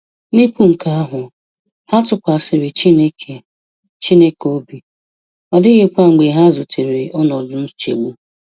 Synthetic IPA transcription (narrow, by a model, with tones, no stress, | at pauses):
ni˦kʷu˦ŋ̩˨ka˦a˦ɦʊ˨ | ha˦tʊ˦kʷa˨sɪ˨ɾɪ˨t͡ʃi˦ne˦ke˨ | t͡ʃi˦ne˦ko˦bi˨ | ɔ˨dɪ˦ɣe˦kʷa˦ŋ͡m̩˨ɡ͡be˨ɦa˦zʊ˨tʰi˨ɾɪ˨ɔ˦nɔ˨dʊ˦n̩˦t͡ʃḛ˨ɡ͡bu˦